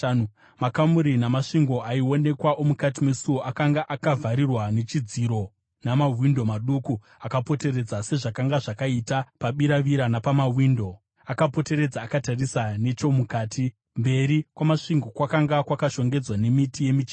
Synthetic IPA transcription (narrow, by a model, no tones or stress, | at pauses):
makamuɾinamaʂiŋɡo̞ʔaio̞ne̞kwaʔo̞mukat̬imwesuwo̞ʔakaŋɡaʔakavʱaɾirwane̞t͡ʃid͡ziɾo̞ | namaɦwindo̞maɗuku | akapo̞te̞ɾe̞d͡zase̞ʐakaŋɡaʐakaitapaɓiɾaʋiɾanapamawindo̞ | akapo̞te̞ɾe̞d͡zaːkatarisane̞t͡ʃo̞mukaːti | mbe̞ɾikwamaʂiŋɡo̞kwakaŋɡakwakaʃo̞ŋɡe̞d͡zwane̞mitije̞mit͡ʃi